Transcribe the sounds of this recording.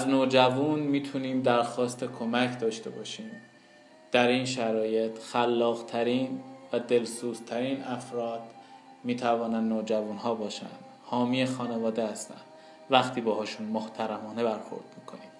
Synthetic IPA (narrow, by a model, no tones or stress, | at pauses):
æznoːd͡ʒævunmiːt̪ʰuniːmd̪æɾxɒːst̪ʰe̞kʰo̞mæcʰd̪ɒːʃt̪e̞̰bɒ̰ːʃiːm | d̪̥æɾiːnʃæɾɒːje̞t̪ʰxælːɒːɣt̪ʰæɾiːnvæd̪e̞lsuːzt̪ʰæɾiːnʔæfɾɒːd̪̥ | miːt̪ʰævɒːnænd̪noːd͡ʒævunhɒːbɒːʃæ̰nd̪̥hɒːmiːexɒːnevɒːd̪e̞hæst̪æ̰nd̪̥ | væxt̪ʰiːbɛːhɒːʃunmoht̪ʰæɾæmɒːne̞bæɾxo̰ɾd̪miːkʰo̞̰niːm